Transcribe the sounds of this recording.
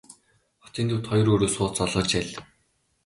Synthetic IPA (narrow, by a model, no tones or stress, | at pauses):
χɔ̥t͡ɕ̪iːnt̪ŭwt̪χɔj̆roːɾoːsʊːt͡sɔɮʁə̆rt͡ɕæɮ